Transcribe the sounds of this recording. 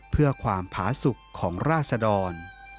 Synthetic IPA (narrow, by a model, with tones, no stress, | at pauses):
pʰɯ˥˩ɐkʰwaː˧mpʰaː˩˦su˨˩kʰːɔː˩˦ŋɾaː˥˩t̪̚sa˧dɔː˧n